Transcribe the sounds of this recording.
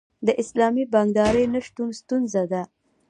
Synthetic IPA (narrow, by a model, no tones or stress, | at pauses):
d̪əʔɪslɑmibɑŋɡd̪ɑɾəjnaʃt̪unst̪unzad̪a